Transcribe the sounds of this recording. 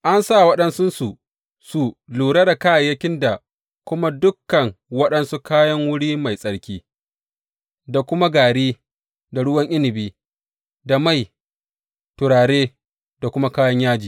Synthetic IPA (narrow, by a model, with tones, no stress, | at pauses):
ʔa˦nsa˦˨wɐ˦ɗɐ˦nsʊ˦nsu˨ | su˨luː˨ɽa˦da˨kaː˦˨jːɐ˦kʲɪ˦nda˨ | kʷʊ˦ma˦dʊ˦kːɐ˨ŋwɐ˦ɗɐ˦nsu˦kaː˦jɐ˦ŋwʊ˦ɽiː˦ma˨jsʼɐ˨ɽkʲiː˦ | da˨kʷʊ˦ma˦ɡaː˨ɽiː˦ | da˨ɽʊ˦wɐ˦ŋʔɪ˦lɪ˨biː˦ | da˨ma˦˨j | tʊ˨ɽaː˨ɽeː˦ | da˨kʷʊ˦ma˦kaː˦jɐ˦ɲjaː˦d͡ʒiː˨